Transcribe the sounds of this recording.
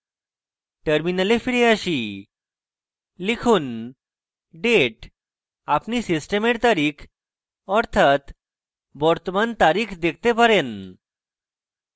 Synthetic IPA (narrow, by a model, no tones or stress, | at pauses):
ʈəɾminəlefiɾeəɕi | likʰuːn | ɖeʈ | apnisisʈemeɾt̪aɾikʰ | ɔɾt̪ʰat̪ | bɔɾt̪əmant̪aɾiːkʰd̪ek̚ʰt̪epəɾen